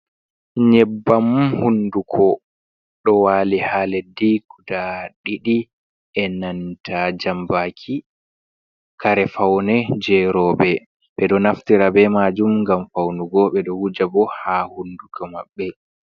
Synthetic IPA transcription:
ɲɛbːamhundukʰɔ | ɗɔwaːlihalediɡudaɗiɗi | ɛnantʰad͡ʒambakʰi | kaɾɛfawnɛd͡ʒɛɾɔːbɛ | ɓɛɗɔnaftiɾabɛmad͡ʒumŋɡamfawnuɡɔɓɛɗɔhud͡ʒabɔhahundukʰɔmaɓːɛ

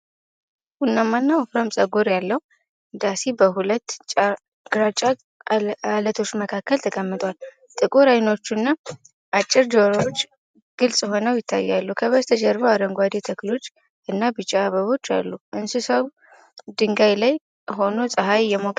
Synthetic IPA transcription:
hunːamːanːawfɾamsʼəɡo̞ɾjalːəhu | d̪asibəɦulət̪ːt͡ʃʼ | ɡɾat͡ʃʼa | alət̪ʰo̞t͡ʃːməkʰakːəlt̪ʰəkʼəmːɨt̪ʼwal | t̪ʼɨkʼoɾajno̞t͡ʃːunːa | ʔat͡ʃʼːɪɾd͡ʒoɾot͡ʃː | ɡ̥ɨlsʼɦo̞nəwjɪt̪ʰːa̰jːalːukʰəβəst̪ʰəd͡ʒɛɾβəwaɾəŋɡʷad̪et̪ʰəklo̞t͡ʃː | ʔɨnːabɨt͡ʃʼːaːβəβo̞t͡ʃːa̰lːuʔɨnsusəw | d̪ɨŋɡajlaj | ɦo̞no̞sʼəɦajjɛmokʼ

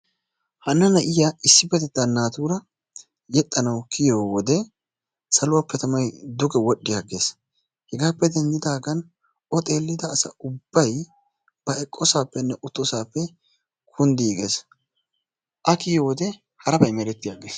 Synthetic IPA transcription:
hɐnːɐnɐʔɪjɐɪsːɪbɛt̪ɛt̪ːanːaːt̪uːɾɐ | jɛt̪ʼːɐnɐwkʰɪjoːwɔd̪ɛ | sɐlʊwɐpːɛt̪ɐmɐjd̪ʊɡɛwɔɗːɪjaɡe̞ːs | hɛɡaːpːɛd̪ɛnd͡ʒɪd̪aːɡɐn | ɔt̪ʼe̞ːlːɪd̪ɐːsɐ̰ʊbːɐj | b̥ɐɛkʼːɔsaːpːɛnːɛʔʊt̪ːɔsaːpːɛ | kʰʊnd̪iːɡḛːs | ʔɐkɪjɔwɔd̪ɛ | hɐɾɐbɐjmɛɾɛt̪ːɪjaːɡeːs

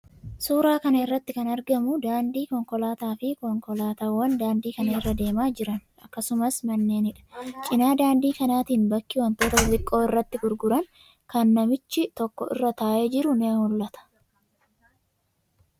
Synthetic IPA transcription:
suːɾaːkɐnɐɪrːɐt̪ːɪkɐnɐɾɡɐmʊd̪aːnd̪iːkɔŋkɔlaːt̪aːfɪkɔŋkɔlaːt̪aːwːɐnd̪aːnd̪iːkɐnɐɪrːɐd̪e̞ːmaːd͡ʒɪɾɐn | ɐ̰kːɐsʊmɐsmɐnːe̞ːnɪᶑɐ̥t͡ʃʼɪnaːd̪aːnd̪iːkɐnaːt̪iːnbɐkːɪwɐnt̪o̞ːt̪ɐʊzɪkʼːo̞ːɪrːɐt̪ːɪɡʊɾɡʊɾɐn | kɐnːɐmɪt͡ʃːɪt̪ɔkːɔʔɪ̰rːɐt̪aːʔe̞ːd͡ʒɪɾʊneːhʊlːɐt̪ɐ̥

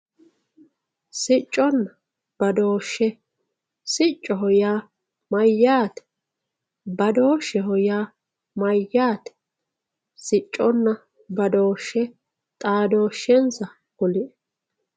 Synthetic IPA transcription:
sɪt͡ʃʼːɔnːɐ | b̥ɐd̪oːʃːɛ | sɪt͡ʃʼːɔɦɔjaː | mɐjːaːt̪ɛ̥ | bɐd̪o̞ːʃːɛɦɔjaː | mɐjːaːt̪ɛ̥ | sɪt͡ʃʼːɔnːɐ | bɐd̪oːʃːɛ | t̪ʼaːd̪o̞ːʃːɛnsɐ | hɔlɪʔɛ

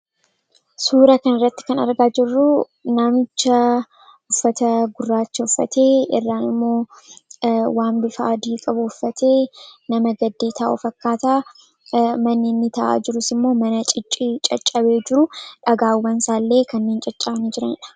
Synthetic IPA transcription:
suːɾɐkɐnɪrːɐt̪ːɪ̥kɐnɐ̰ɾɡaːd͡ʒɪrːʊ | namɪt͡ʃːɐ | ʊfːɐt̪ɐɡʊrːaːt͡ʃːɐʊfːɐ̰t̪eːɪ̰rːaːnɪmːo̞ː | waːmbɪfaʔːd̪iːkʼɐbʊʊfːɐt̪ʰe̞ːnɐmɐɡɐd̪ːe̞ːt̪ʰa̰ːʔʊ̰fɐkːaːt̪aː | mɐnːeːnːɪt̪ɐʔa̰ːd͡ʒɪɾʊsɪmːo̞ːmɐnɐt͡ʃʼɪt͡ʃʼːit͡ʃʼɐt͡ʃʼːɐbe̞ːd͡ʒɪɾʊᶑɐɡaːwːɐnsaːlːe̞ːkɐnːeːnt͡ʃʼɐt͡ʃʼːɐbɐniːd͡ʒɪɾɐnɪᶑɐ̥

